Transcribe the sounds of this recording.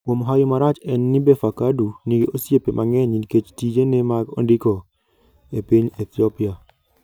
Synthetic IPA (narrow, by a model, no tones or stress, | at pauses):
kwomoɦajomaɾat͡ʃɛnːibefakaduniɡeʔosjepemʔaŋɛɲinket͡ʃtid͡ʒenemaɡo̰ndikɔ | epiɲet̪iɔpia